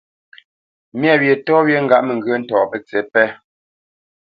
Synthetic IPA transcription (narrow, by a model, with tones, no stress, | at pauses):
mjɛ˦˨wje˨tɔ˦wje˦ŋ̩˦ɡa˦˨ʔme˨ŋ˨ɡə˦n̩˦tɔː˨pə˨t͡se˨˦pɛ˦